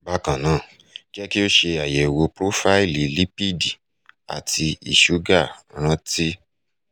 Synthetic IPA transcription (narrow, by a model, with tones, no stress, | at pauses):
ba˧˦kã˨nãː˦˨ | ki˦ɛ˦ki˦o˦ʃe˧a˨je˨wo˧pɾo˦fa˦i˦˨li˨li˦pi˦di˨ | a̰˨tʰi˧i˨ʃu˨˦ɡa˦˨ɾ̃ã˧ti˦